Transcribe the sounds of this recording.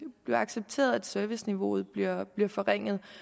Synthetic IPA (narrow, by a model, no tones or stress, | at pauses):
b̥le̝ɑ̈ɡ̥seb̥̚t͡sʰe̝̰ːɐð̞ˠæd̥søɐʋisniʋo̝ð̞̩ˠb̥liɐb̥liɐfɒ̽ʁeŋ̰ð̞̩ˠ